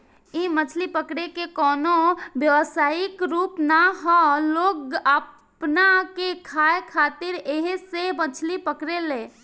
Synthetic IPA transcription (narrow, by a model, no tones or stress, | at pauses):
imət͡ʃʰlipəkɽekekɔːnobjəʋsaːɪkɾuːpnaɦɔloːɡə | pnakekʰaekʰat̪ɪɾeɦsemət͡ʃʰlipəkɾele